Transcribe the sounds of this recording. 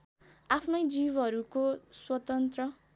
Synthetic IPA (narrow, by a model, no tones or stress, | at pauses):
apʰnʌjd͡zibʌɾukoswʌt̪ʌnt̪rʌ